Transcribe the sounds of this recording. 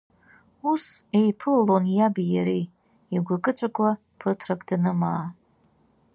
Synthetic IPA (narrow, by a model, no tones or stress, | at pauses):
usejpʰɨlalonjabijaɾej | iɡʷakʼɨt͡ʃʷʼakʷʼa | pʰɨtʰrakʼdnɨmaː